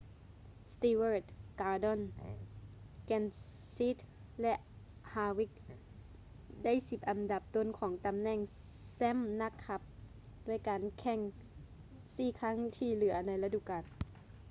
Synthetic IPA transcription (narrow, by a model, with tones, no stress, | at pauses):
st̪iː˧wəː˧˩t̪̚kaː˧dɔ˧˥˨n | kɛ˧˨nsi˦˥t̪̚lɛ˧ʔhaː˧wi˧˥k̚ | da˥˨jsi˧p̚ʔa˨mda˧˦p̚t̪o˧˥˨nkʰɔː˨˩˦ŋt̪a˨mnɛ˧˩ŋ | sɛ˧˥˨mna˧˥kʰːa˧p̚ | du˥˩əjkaː˨nkʰɛ˧˩ŋ | siː˧˩kʰa˦˥˨ŋt̪ʰiː˧˨lɯ˩˦ɐna˧˥jla˧du˧˨kaː˨n